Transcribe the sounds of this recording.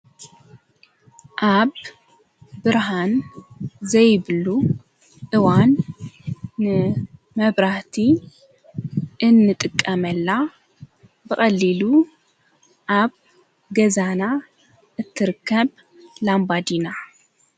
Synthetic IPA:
ʔaβ | bɨɾɦan | zɐjβlu | ʔɨwanː | ɨ | mɐβɾaht̪ʰi | ʔɨnːɨt̪ʼɨkʼːɐmɐlːa | bɨkʼɐlːilu | ʔaβ | ɡɐzana | ʔɨt̪ʰːɨɾɨkʰːɐβ | lambad̪ina

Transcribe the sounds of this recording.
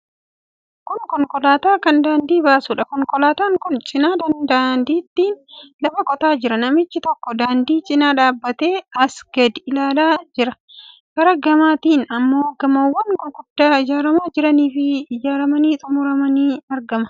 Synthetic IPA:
kʊŋkɔŋkʼɔlaːt̪aːkɐnd̪aːnd̪iːbaːsuːᶑɐkɔŋkɔlaːt̪aːŋkʊnt͡ʃʼɪnaːd̪ɐnd̪and̪iːt̪ːiːnlɐbɐkʼɔt̪aːd͡ʒɪɾɐnɐmɪt͡ʃːɪt̪ɔkːɔd̪aːnd̪iːt͡ʃʼɪnaːᶑaːbːɐt̪e̞ːɐsɡɐd̪ɪlaːlaːd͡ʒɪɾɐ | kɐɾɐɡɐmaːt̪iːnɐmːoːɡɐmoːwːɐnkʊɡʊd̪ːaːɪd͡ʒaːɾɐmaːd͡ʒɪɾɐniːfɪɪd͡ʒaːɾɐmɐniːt̪ʼʊmʊɾɐmɐniːɐɾɡɐmɐ̥

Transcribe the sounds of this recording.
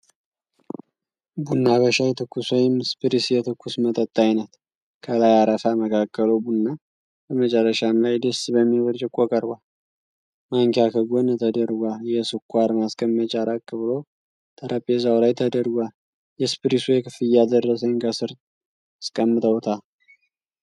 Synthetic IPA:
bunːaβəʃajɛt̪ʰɨkːuswɔjɪmspɨɾisjɛt̪ʰɨkʰʷːusmət̪ʼət̪ʼːajnət̪ | kʰəlajaɾəfaməkʰakːəlowbunːa | bəmət͡ʃʼərːəʃamlajd̪əsbəmːiwɔɾt͡ʃʼɪkʷʼːokʼəɾɡʷa | maŋkʰjakʰəɡont̪ʰəd̪əɾɡʷajɛsɨkʰːʷaɾmaskʼəmːət͡ʃʼaɾakʼːɨβɨlo | t̪ʰəɾʔəpʼːezawlajt̪ʰəd̪əɾɡʷa | jɛspɨɾisujɛkʰɨfɨjːad̪ərːəsəŋkʰəsɨɾt̪ | skʼəmːɨt̪ʰʼəwɔt̪ʰa

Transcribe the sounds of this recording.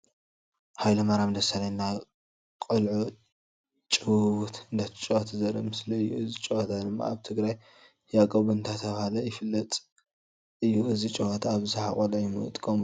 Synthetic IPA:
hajlɐmaɾamd̪ɐsalajnːa | kʼɐlʕo | t͡ʃʼɨwut̪ɨnd̪at͡ʃʼowot̪ʰzɐɾɐ̰mɨsliɨjːuɨzit͡ʃʼoot̪ʰad̪ɨmːa̰aβt̪ʰɨɡɾaj | jakʼɐβuɨnt̪ʰat̪ʰɐβhalɐjɪfɨlːɐt̪ʼ | ɨjːuʔɨzit͡ʃʼɨwot̪ʰaβzɨħakʼɐlʕujmɨ̰t̪ʼkʰʼom

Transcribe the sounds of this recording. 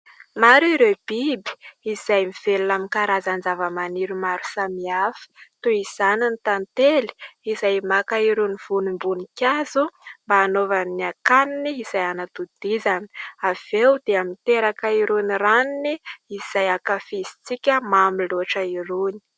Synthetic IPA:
maɾuiɾeb̥ibi̥izajmiv̥elunamikaɾazand͡zavəmaniɾumaɾu̥samiafi̥t̪uiz̥ananit̪ant̪eli̥izajmakaiɾuniv̥unumbunikʲazumbaːnovamniakaniniːzajanat̪ud̪̥izanə̥av̥ewd̪̥eamint̪eɾakaiɾuniraniniizajakafizi̥t͡sikʲəmamiloaʈ͡ʂəiɾuni̥

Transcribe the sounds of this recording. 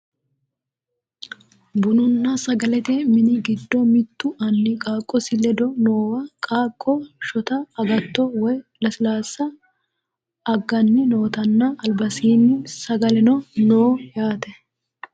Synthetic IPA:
bʊnʊnːɐsɐɡɐlɛt̪ɛmɪnɪɡɪd̪ːɔmɪt̪ːʊʔɐnːɪkʼaːkʼːɔsɪlɛd̪ɔnoːwɐkʼaːkʼːɔʃɔt̪ɐːɡɐt̪ːɔwɔjlɐsɪlaːsːɐ | ɐɡːɐnːɪno̞ːt̪ɐnːɐɐlbɐsiːnːɪsɐɡɐlɛnɔnoːjaːt̪ɛ

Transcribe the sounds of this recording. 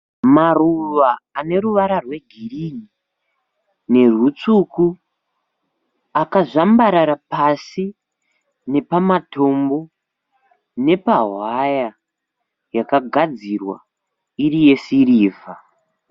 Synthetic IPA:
maruʋaːne̞ɾuʋaɾarwe̞ɡʱirini | ne̞rut͡suku | akaʐambaɾaɾapasi | ne̞pamatʰo̞mbo̞ | ne̞paɦwaja | jakaɡʱad͡zirwa̰ | iɾije̞siɾiːva

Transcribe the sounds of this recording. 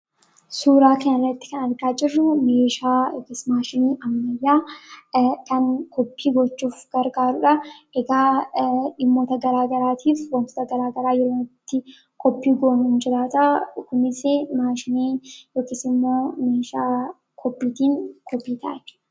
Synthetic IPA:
suːɾaːkɐnɪrːɐt̪ːɪ̥kɐnɐɾɡaːd͡ʒɪrːʊmeːʃaːjoːkiːsmaːʃɪniːʔɐmːɐjːaː | kɐnkʰɔpːiːɡɔt͡ʃːuːfɡ̥ɐɾɡaːɾʊᶑɐʔɛɡaːᶑɪmːoːt̪ɐɡɐɾaːɡɐɾaːt̪ʰiːfwɐnt̪ɔ̥t̪ɐɡɐɾaːɡɐɾaːjɛɾoːnɪt̪ːɪ | kɔpːiːɡoːnʊnd͡ʒɪɾaːt̪akːʊmɪsɪmaːʃɪniːjoːkiːsɪmːo̞ːmeːʃaː | kʰɔpːiːt̪iːŋkɔpːiːt̪ʰɐ̰ʔɛ̥

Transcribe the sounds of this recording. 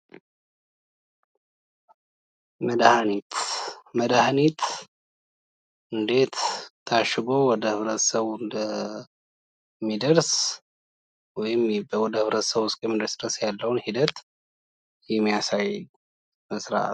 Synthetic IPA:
məd̪ahanit̪məd̪ahanit̪ʰ | ʔɨnd̪e̞t̪t̪ʰːaʃɪɡowɔd̪əhɨβɾət̪səβɨnd̪ə | mːid̪əɾs | wɔjɪmbəwɔd̪əhɨβɾət̪səβʊskʼjɛmid̪ɾsd̪ɾəsjalːəwnhid̪ət̪ | jɛmːijasaj | məsɾa̰ʔt̪

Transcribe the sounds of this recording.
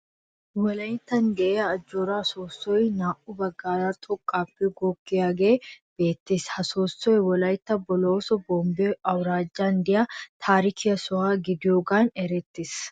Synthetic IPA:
wɔlɐjɪt̪ːɐnd̪ɛʔɛjɐːd͡ʒːoːɾaːsoːsːɔjnaːʔʊbɐɡːaːɾaːt̪ʼɔkʼːaːpːɛɡɔkːɪjaːɡeːb̥eːt̪ːeshɐsoːsːɔjwɔlɐjt̪ːɐbɔloːsɔboːmbɛʔɐwɾaːd͡ʒːaːnd̪ɪjɐt̪ʰaːɾɪkʰɪjɐsʊhaːɡɪd̪ɪjoːɡaːnɛɾɛt̪ːes

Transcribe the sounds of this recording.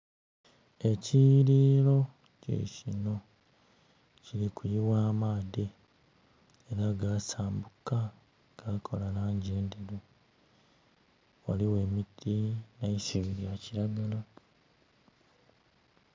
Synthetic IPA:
e̞ciɾiːlo̞ | cḛcino̞ | ciɾikʰujiwaːmaːde | eɾaɡaːsaːmbuka | ɡ̥aːkʰo̞lanaːɲɟe̞ːndeɾe | waliwe̞ːmitːinajisiβiɾijaciɾaɡala

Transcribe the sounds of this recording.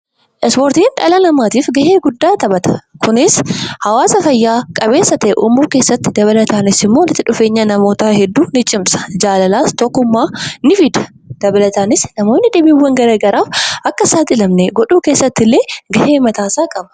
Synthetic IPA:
ʔɛspoːɾt̪iːnᶑɐ̰lɐnɐmaːt̪iːfɡɐhe̞ːɡʊd̪ːaːt̪ɐbɐt̪ɐ̥kʊnɪshɐwaːsɐfɐjːaːkʼɐbe̞ːsːɐt̪ɛʔṵːmːuːke̞ːsːɐt̪ːɪd̪ɐβɐlɐt̪aːnɪsɪmːo̞ːlɪt̪ːɪᶑʊfe̞ːɲːɐnɐmo̞ːt̪aːɦɛd̪ːuːnɪt͡ʃʼɪmsɐ̥d͡ʒaːlɐlaːst̪ɔkːʊmːaːnɪfɪd̪ɐ̥ | d̪̥ɐbɐlɐt̪aːnɪsnɐmo̞ːnːɪd̪eːbiːwːɐŋɡɐɾɐːɡɐɾaːfʔɐkːɐsaːt̪ɪɪlɐmnɛɡɔᶑuːke̞ːsːɐt̪ːɪlːeːɡɐheːmɐt̪aːsaːkʼɐbɐ̥

